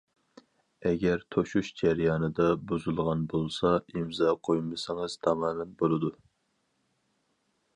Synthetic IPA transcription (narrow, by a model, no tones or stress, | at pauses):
ɛɡʲɛɾt̪ʰoʃuʃd͡ʒæɾjɑːnɨd̪ɑbuzulˠʁɑnbolˠsɑimzɑqʰojumɨsɪŋɨz̥t̪ʰɑmɑːmɛnbolˠɨd̪u